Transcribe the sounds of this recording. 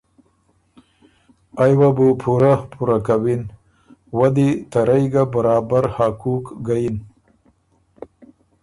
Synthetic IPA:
ajwabupʰuɾapʰuɾakawin | wad̪it̪aɾajɡabaɾɑːbaɾhakukɡajin

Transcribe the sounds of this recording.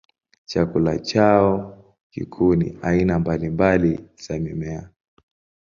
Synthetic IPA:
t͡ʃakula̰t͡ʃaɔ | kḭkʰuːnḭainambalimbaliz̥amimɛa

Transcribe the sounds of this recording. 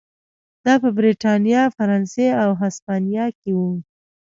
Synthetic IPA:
d̪ɑpəbɾeʈɑnijɑfaɾɑnseawɦaspɑnjɑkewu

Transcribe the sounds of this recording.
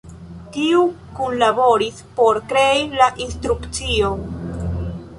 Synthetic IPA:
tiu | kunlabo̞ɾispo̞ɾkɾe̞ilaʔinst̪ɾukt͡sio̞

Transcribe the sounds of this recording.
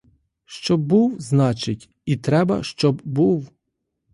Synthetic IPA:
ʃt͡ʃɔbuwznɑt͡ʃɪtʲ | it̪ɾɛbɐ̰ʃt͡ʃɔbbuw

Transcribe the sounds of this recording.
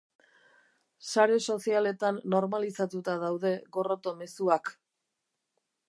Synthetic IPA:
saɾeso̞siale̞t̪anːo̞ɾmalisat̪ut̪aðawðe̞ɣo̞ro̞t̪o̞me̞suak

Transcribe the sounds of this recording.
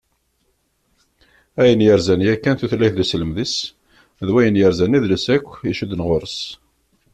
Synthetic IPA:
æjənjəɾzænjækːænθuθlːæçðəsləmðis | ðwæjənjəɾzæniðləsækʷːiʃud̪ənʁoɾəs

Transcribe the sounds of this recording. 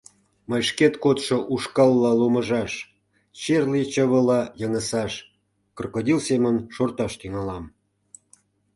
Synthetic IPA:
məjʃket̪kot̪ʃoʔuʃkɑlˠːɑloməʒɑʃ | t͡ɕerlit͡ɕəβəlɑjəŋəsɑʃ | kərkod̪ʲilsemənʃort̪ɑʃt̪yŋɑlɑm

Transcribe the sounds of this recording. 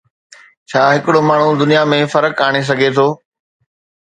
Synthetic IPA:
t͡ɕʰaːɦɪkɪɽomaːɳ̤ũd̪ʊnijamẽfɐɾəkaːɽ̃es̬ɐɡʱet̪ʰoː

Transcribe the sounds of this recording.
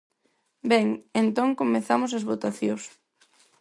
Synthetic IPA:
bɛŋent̪oŋkomeθamos̬ɐzβot̪aθjos

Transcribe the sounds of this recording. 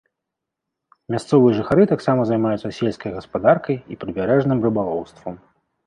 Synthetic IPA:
mʲast̪sɔvɨjɐʐɨxaɾɨt̪aksamɐzajmajut̪sːɐsʲelʲskɐjɣɐspad̪arkɐjipɾɨbʲaɾɛʐnɨmrɨbalˠɔwst̪vɐm

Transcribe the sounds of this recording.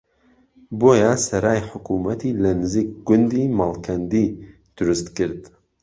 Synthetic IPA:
boːjasɐɾaːjħʊkumɐt̪ʰilɐnɨziːk̚ɡʊnd̪iːmaːlˠkʰɐnd̪i | d̪̥ʊɾʊst̪kɨɾd̪

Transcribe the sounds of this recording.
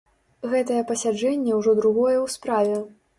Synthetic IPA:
ɣɛt̪ɐjɛpɐsʲad͡ʐɛnʲːɛwʐɔd̪ɾuɣɔjɛwspɾavʲɛ

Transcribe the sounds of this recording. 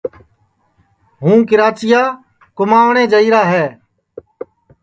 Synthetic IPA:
ɦũːkɪɾaːt͡ʃɪjaː | kʊmaːʋɳẽːd͡ʒəiːɾaːɦɛː

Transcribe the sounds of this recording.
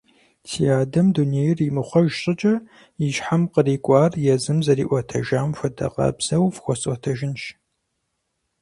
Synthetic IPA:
tʰijaːdɐmduneːjrimɨχʷɔʒɕʼɪt͡ʃʼɐ | iʃħamqəriːkʷʼɑːrjɛzɨmzɐriːʔʷɔtʰɐʒaːmfʷɐdɐ̰qɐ̰bz̥ɐwvxʷɔsʼʷɔtʰɐʒɪnʃ

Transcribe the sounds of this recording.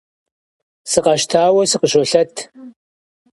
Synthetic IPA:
sɨqɐʃtʰaːwɐsɨqəɕɔɬɐtʰ

